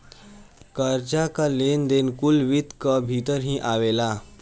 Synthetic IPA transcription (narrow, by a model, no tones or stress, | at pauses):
kəɾt͡ʃakalend̪enkulʋit̪kəbʱit̪əɾɦĩʔaʋela